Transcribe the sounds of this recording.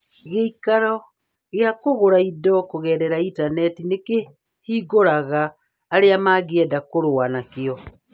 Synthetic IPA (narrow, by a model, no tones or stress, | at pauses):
ɣeikaɾɔ | ɣjakoɣoɾaidɔkoɣɛːɾɛɾaitanɛtineke | hiːɣoɾaɣaː | ɾeamaːɣeɛdakoɾowanakeɔ